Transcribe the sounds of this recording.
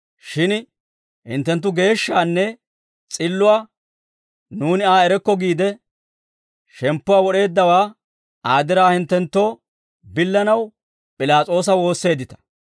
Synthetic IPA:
ʃɪn | hɪ̰nt̪ːɛnt̪ːʊɡe̞ːʃːaːnːɛ | t͡sʼɪlːʊaː | nuːnɪaːɛɾɛkːɔɡiːd̪ɛ | ʃɛmpːʊwaːwɔɗe̞ːd̪ːɐwaː | aːd̪ɪɾaːhɪnt̪ːɛnt̪ːo̞ː | bɪlːɐnɐw | pʼɪlaːt͡sʼo̞ːs̬ɐwo̞ːsːe̞ːd̪ːɪt̪ɐ̥

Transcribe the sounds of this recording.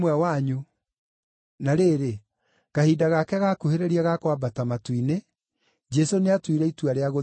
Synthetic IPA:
mwɛwaɲu | naɾeːɾe | ɣahiːdaɣakɛɣakuheɾeɾiaɣakwabatamatwine | d͡ʒɛsoneatwiɾɛituaɾeaɣo

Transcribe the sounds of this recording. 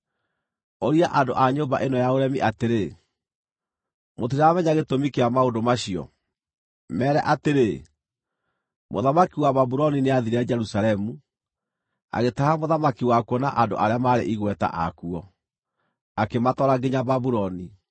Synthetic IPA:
oɾiaʔandoʔaɲomba̰ʔenɔjaoɾɛmiʔateɾe | mot̬iɾamɛɲaɣetomikeamaondomaɕiɔ̰ | mɛːɾɛʔateɾe | mo̰ðamakiwaβaβuɾɔnineaðiɾead͡ʒɛɾusaɾɛmu | a̰ɣetahamoðamakiwakuɔnaʔando̰ʔaɾeamaɾḛʔiɣwɛta̰ʔa̰kuɔ | akematɔɾaɡeɲaβaβuɾɔni

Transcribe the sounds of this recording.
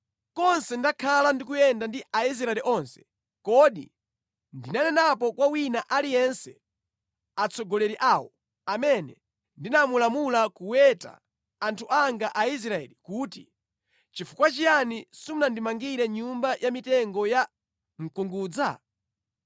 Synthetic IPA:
kɔnsɛndakʰalandikujɛndandiʔais̬ɾaɛliʔɔnsɛ̥ | kɔɗḭ | ndinanɛnapɔkwawinaʔalijɛnsɛ | at͡sɔɡɔlɛɾiʔaːwɔ | amɛnɛ | ndinamulamulakuwɛta̰ː | ntʰuaŋɡaʔais̬ɾaɛ̰likutḭ | t͡ʃifukwat͡ʃijanisumunandimaŋɡiɾɛɲumbajʔamitɛŋɡɔja | ŋ̩kuŋɡuːd͡za̰

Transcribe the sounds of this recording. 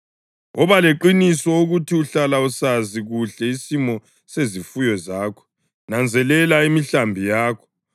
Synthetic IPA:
ɔβaleǃinisɔoɣutʰiuɬalausaziɣuɬɛisimɔ | sezifujɔzaːkʰɔ̥ | nand͡zʱɛlɛlaimiɬambʱijaːkʰɔ̥

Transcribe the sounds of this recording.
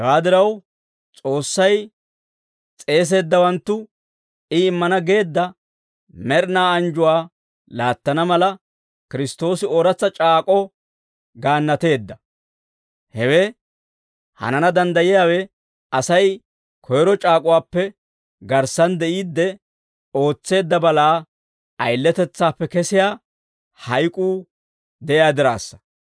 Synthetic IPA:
ɛwaːd̪ɪɾɐw | t͡sʼo̞ːsːɐj | t͡sʼe̞ːs̬e̞ːd̪ːɐwɐnt̪ːʊ | ɪɪmːɐnɐɡe̞ːd̪ːɐ | mɛɾnaːɐnd͡ʒʊwaː | laːt̪ːɐnɐmɐlɐ | kɪɾɪst̪o̞ːsɪoːɾɐt͡sːɐt͡ʃʼaːkʼɔ | ɡaːnːɐt̪e̞ːd̪ːɐ | hɛwe | hɐ̰nɐnɐd̪ɐnd̪ɐjɪjaːwɛ | ɐsɐj | kʰɔjɾɔt͡ʃʼaːkʼʊwaːpːɛ | ɡɐɾsɐnd̪ɛʔiːd̪ːɛ | o̞ːt͡sːe̞ːd̪ːɐbɐlaː | ɐjlːɛt̪ɛt͡sːaːpːɛkɛsɪjaː | hɐjkʼuː | d̪ɛʔɪjaːd̪ɪɾa̰ːsːɐ̥

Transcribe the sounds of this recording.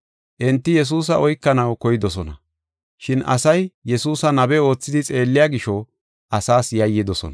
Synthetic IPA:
ʔɪnt̪ːɪjɛs̬uːs̬ɐʔɔjkːɐnɐwkɔjɪd̪ɔs̬ɔnɐ | ʃɪnʔɐ̰sɐjjɛsuːsɐnɐbɛo̞ːt͡sːɪd̪ɪt͡sʼe̞ːlːɪjaːɡɪʃɔ | ʔɐsaːsjɐjːɪd̪ɔsɔ̰nɐ

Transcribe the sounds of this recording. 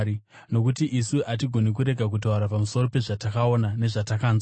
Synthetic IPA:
i | no̞kutiʔisuʔat̬iɡʱo̞nek̬uɾe̞ɡʱakut̬auɾapamuso̞ro̞pe̞ʐatakao̞nane̞ʐatakaːnza

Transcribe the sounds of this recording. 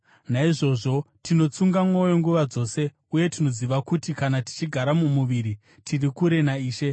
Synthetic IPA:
naiʐo̞ʐo̞tino̞t͡suŋɡamwajo̞ŋɡuʋad͡zo̞ːse̞ | uje̞tino̞ziʋakutikanati̥t͡ʃiɡʱaɾamumuʋiɾi | tʰirikuɾe̞naiːʃe̞

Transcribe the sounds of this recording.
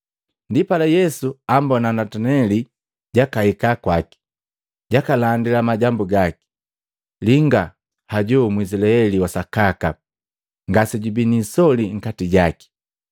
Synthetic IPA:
ndipalajɛsuambɔnanatanɛli | ɟakahikakwaki̥ | ɟakalandilamaɟambuɡaki̥ | liŋɡa | haɟɔmwis̬ilaɛliwasakaka | ŋɡasiɟubinisɔliŋ̩katiɟaki̥

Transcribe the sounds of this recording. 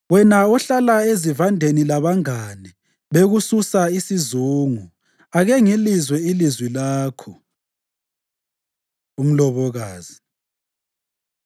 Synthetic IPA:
wɛnaɔɬalaezivandʱenilaβaŋani | βeɣususaisizuːŋu | aɣɛŋilizwɛilizwilaːkʰɔ | um̩lɔβɔɣaːz̥i

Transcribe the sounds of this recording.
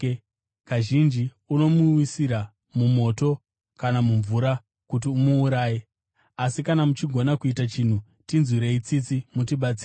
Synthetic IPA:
kaʒind͡ʒi | uno̞muwisiɾa | mumo̞to̞ | kanamuɱvuɾa | kut̬iumuːɾaːje | asikanamut͡ʃiɡʱo̞nakuitat͡ʃin̤u | tinzwiɾe̞it͡sit͡simutiɓat͡siːɾ

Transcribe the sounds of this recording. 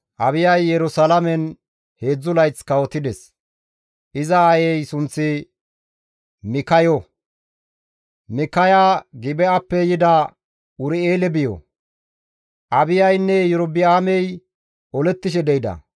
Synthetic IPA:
ʔɐbɪjɐjːɛɾʊsɐlɐmɛn | he̞ːd͡zːʊlɐjt͡skɐwɔt̪ːɪd̪ɛs | ʔɪzɐːjɛjsʊnt͡sːɪ | mɪkɐjɔ | mɪkɐjaːɡɪbɛɐpːɛjɪd̪ɐ | ʊɾɪeːlɛbɪjɔ̰ | ʔɐbɪjɐjnːɛjɛɾʊbɪaːmɛj | ʔɔlɛt̪ːɪʃɛd̪ɛjd̪ɐ̰

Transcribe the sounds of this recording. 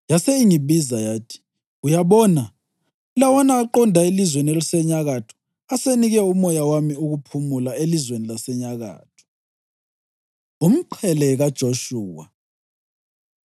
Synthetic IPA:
jaseiŋiβizajaːtʰi̥ | ujaβɔːna | ulawɔnaːǃɔndʱaelizwenɛlusɛɲaɣatʰɔ̥ | aseniɣɛumɔjawamiuɣupʰumulaelizwenilasɛɲaɣa̰ːtʰɔ̥ | um̩ǃʰɛlɛɣad̥ʒ̥ʱoʃuːwa̰

